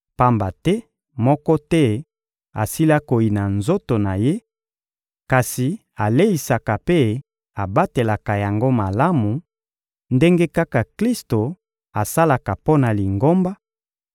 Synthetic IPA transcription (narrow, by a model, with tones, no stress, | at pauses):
pa˦mba˨tɛ˦ | mɔ˦kɔ˦tɛ˦ | a̰˨si˦la˦ko˨i˨na˨nzo˦to˨na˨je˦ | ka˨si˨ | a˨le˦i˨sa˨ka˨pe˦ | a˨ba˦te˨la˨ka˨ja˨ŋɡo˦ma˨la˦mu˨ | nde˦ŋɡe˦ka˦ka˨kli˦sto˨ | a˨sa˦la˨ka˨po˦na˨li˨ŋɡo˦mba˦